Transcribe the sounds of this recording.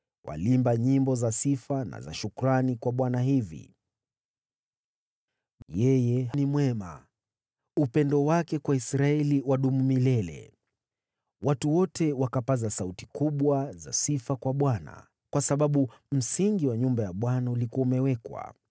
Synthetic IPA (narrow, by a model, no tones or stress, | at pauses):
wʔa̰limbaɲimbɔzasifana̰za̰ʃukuɾanikwaɓwanaɦivḭ | jɛjɛɦanimwɛma̰ | upɛndɔwakɛkwaisɾaɛliwaɗumumilɛlɛ̰ | watuwɔtɛwakapazasauti̥kuɓwaza̰sifakwaɓwana̰ | kwasaɓaɓum̩siŋɡiwaɲumbajaɓwanaulikuaumɛwɛkwa̰